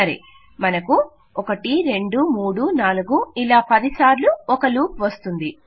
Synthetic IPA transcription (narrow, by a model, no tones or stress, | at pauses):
ɐɾḭ | mɐnɐku | ɔkɐʈiɾe̞ɳɖumuːɽunaːluɡuilaːpɐd̪isaːɾluɔkɐluːp̚ʋɐst̪und̪i